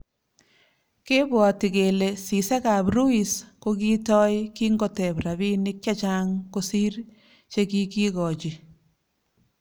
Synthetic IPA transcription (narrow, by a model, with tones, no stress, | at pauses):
ke˦bwɔ˨ti˨ke˨le˨si˨se˦kaː˨bɾu˦i˨skoki˦tɔ˦jki˦ŋɡɔ˨tɛ˨bɾa˨bi˦nɪk̚t͡ʃa˦t͡ʃa˦ŋko˦si˦r | t͡ʃe˦ki˦ki˦kɔ˨t͡ʃi˨